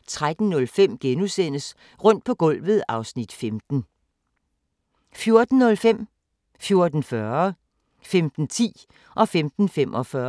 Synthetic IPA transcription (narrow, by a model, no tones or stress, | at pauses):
t͡sʰʁad̥n̩nːɔ̽lfem̰ɡ̥enusen̰əs | ʁɔ̽n̰d̥̚pʰɒ̽ɡ̥ɔ̽l̰ʋð̞̩ˠɑ̈ʊsnid̥femd̥n̩ | fjo̝ɐd̥n̩ːɔ̽lfem̰ | fjo̝ɐd̥n̩fɶɐɐ | femd̥n̩t͡sʰḭː | ʔɒ̽femd̥n̩femʔɒ̽fɶɐ